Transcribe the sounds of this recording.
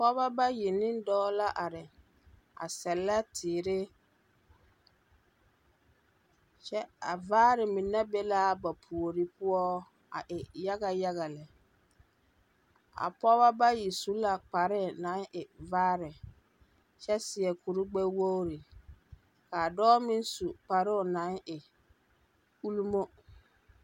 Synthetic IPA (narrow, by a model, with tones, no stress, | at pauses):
pɔ˦ba˦ba˦ji˨nɪ˦n˦dɔː˦la˦ʔa˨ɾɪ˨ | a̰˨sɛ˨lːa˦tʰɪː˨ɾɪ˦ | t͡ʃɛ˦a̰˨vaː˦ɾɪ˨mi˨nɛ˦be˦la˦ba˨pʰu˨o˨ɾi˦pʊ˦ɔ˦ | a̰˨ʔɪ˨ja˦ɣa˨ja˦ɣa˨lɪ˨ | a̰˨pɔ˦ba˦ba˦ji˨su˦la˨k͡pa˨ɾɪ˦˨na˨˦nʔɪ˨vaː˦ɾɪ˨ | t͡ʃɛ˦sɪ˨ɛ˨ku˨ɾu˦ɡ͡bɛ˦wo˦ɾɪ˨ | ka˨dɔː˦mɪ˦nsu˨k͡pa˨ɾɪ˦ʊ˨na˨˦ŋɪ˨ | u˦lu˦mo˦